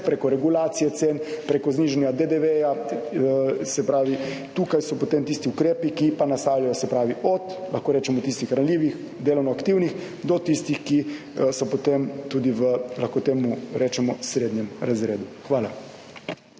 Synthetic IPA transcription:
pɾeːkɔɾɛɡulaːt̪sijɛt̪seːnpɾeːkɔzniːʒɛnjad̪ed̪eʋeja | sɛpɾaːʋit̪uːkajsɔpot̪eːmt̪ist̪iukɾeːpikipanast̪aːwlʲajɔsɛpɾaːʋiʔɔt̪laxkoːɾɛːt͡ʃɛmɔt̪ist̪ixɾanliːʋix | d̪eːlɔwnɔakt̪iwnix | d̪ɔt̪ist̪ixki | sɔpot̪emt̪uːd̪iʋəlaxkoːt̪eːmuɾɛːt͡ʃɛmɔsɾed̪njɛmɾazɾeːd̪uxʋaːla̰

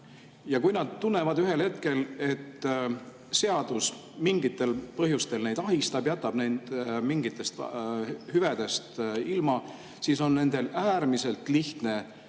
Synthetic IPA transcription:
jɑkujnɑd̪̥̚t̪unːe̞vɑd̪yɦe̞lhe̞t̪ke̞le̞t̪ː | se̞ɑd̪̥usmiŋɡit̪ːˑe̞lpɤɦjust̪e̞lne̞jd̪̥ɑɦist̪ɑb̥jæt̪ːˑɑb̥nend̪̥miŋɡit̪ˑːe̞st̪ | hyved̪̥e̞st̪ilmɑ | siːso̞nːe̞nd̪̥e̞læːɾmise̞lt̪ˑliht̪ne̞

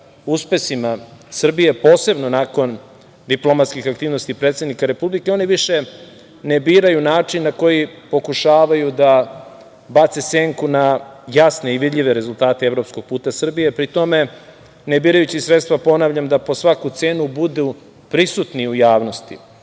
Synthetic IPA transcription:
uspe̞simasr̩bije̞po̞ːse̞bnonako̞n | d̪iplˠo̞mat̪skixakt̪iːʋnost̪ipɾet̪sed̪nikaɾe̞publike̞oniʋiʃe̞ | nebiːɾajunaːt͡ʂinːako̞jipo̞kuʃaːʋajud̪a | bat̪sese̞ŋkunajasneiʋid̪ʎʲiʋe̞ɾe̞zult̪aːt̪eeʋvɾo̞psko̞ɡ̚puːt̪asr̩bijepɾit̪o̞me̞ | nebiːɾajut͡ɕisɾe̞t̪st̪vʋapo̞naːʋʎamd̪apo̞sʋakut̪seːnubud̪u | pɾisut̪niujaːʋno̞st̪ḭ

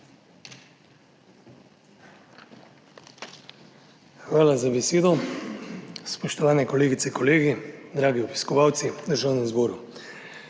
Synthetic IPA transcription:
xʋaːlazabɛseːd̪ɔ | spɔʃt̪ɔʋaːnɛkɔleːɡit̪sɛkɔleːɡid̪ɾaːɡiɔbi̥skɔʋaːwt̪sid̪əɾʒaːwnɛmzbɔːɾu

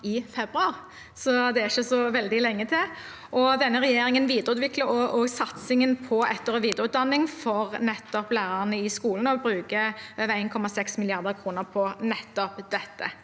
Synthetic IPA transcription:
ɪfɛbʁʉɑʁ | sɔd̪ɛæɾɪçəsɔʋɛld̪ɪlɛŋːət̪ʰɪl | ʔɔd̪ɛnːəʁɛjeːɾɪŋənʋiːd̪əɾəʉːt̪ʋɪkləɾɔʔɔsɑt̪sɪŋənpʰɔɛt̪ːəʁɔʋiːd̪əʁəʉːt̪̚d̪ɑnːɪŋfɔʁnɛt̪ːɔplæːʁəʁənəɪskuːln̩ɔbɾʉːkəøːʋəæɪnkʰɔmɑsɛksmɪlɪɑʁd̪əʁkʰɾuːnəʁpʰɔnɛt̪ːɔpd̪̥ɛt̪ːə̰

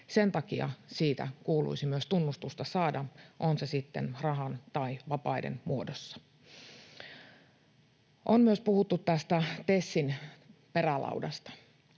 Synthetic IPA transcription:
se̞nt̪ɑkiɑ̰siːt̪æ̰kuːlṵisimyøst̪unːust̪ust̪ɑsɑːdɑʔo̞nsesit̪ːe̞̰nrɑɦɑnt̪ɑiʋɑpɑidḛnmuodosːɑ̥ | ʔonmyøspuhut̪ːut̪ːæst̪æt̪esːinpe̞rælɑ̰udɑst̪ɑ̥

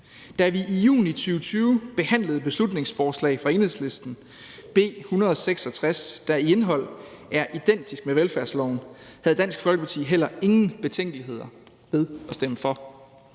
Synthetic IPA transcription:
d̥æɐʋiʔijṵːnit͡sʰyːʊət͡sʰyːʊb̥e̝hæn̰ləð̞̩ˠb̥e̝slud̥ne̝ŋsfɒːslɛ̰ɪfʁɑ̈e̝ːnhe̝sle̝sd̥n̩ | b̥e̝̰ːhunɐð̞ˠɒseɡ̥sɒ̽t͡sʰʁasd̥ɑie̝nɦɒ̽l̰ | æɐʔid̥en̰d̥isɡ̥̚meʋelfæɐslɒ̰ʊnhæð̞̩ˠd̥æn̰sɡ̥fɒlɡ̥ə̥pʰɑ̈t͡sʰḭːɦel̰ɐe̝ŋn̩b̥e̝t͡sʰeŋ̰ɡ̥əliɦe̝ð̞̰ˠɐ | ʋe̝ðˠɒ̽sd̥eməfɒ̽

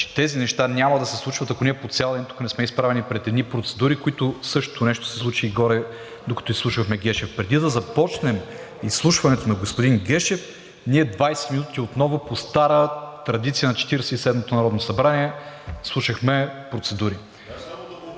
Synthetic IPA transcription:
t͡ʃɛ̥t̪ɛzinɛʃt̪anʲamɐd̪ɐsɛslˠut͡ʃvɐt̪ɐkoniɛpot̪sʲalˠint̪u̥knɛsmɛispɾavɛnipɾɛt̪ɛd̪nipɾot̪sɛd̪uɾikoit̪ʊsɤʃt̪onɛʃt̪o̥sɛ̥slˠut͡ʃiːɡɔɾɛ | d̪okɐ̥t̪oislˠuʃvəxmɛɡʲɛʃɛfpɾɛd̪id̪ɐzɐpɔt͡ʃnɛm | isːlˠuʃvɐnɛt̪onɐɡospod̪inɡʲɛʃɛf | niɛd̪vajsɛ̥t̪minut̪iot̪nɔvʊpost̪aɾət̪ɾɐd̪it̪sijənɐt͡ʃɛ̥t̪iɾɛsɛisɛd̪mot̪onɐɾɔd̪nosɐbɾaniɛslˠuʃəxmɛpɾot̪sɛd̪uɾi

